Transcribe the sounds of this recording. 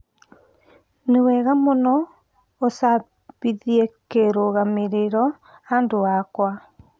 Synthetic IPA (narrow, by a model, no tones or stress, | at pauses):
newɛɣamonɔ | osa | βiðiekeɾoɣameɾeɾɔ | andoakwa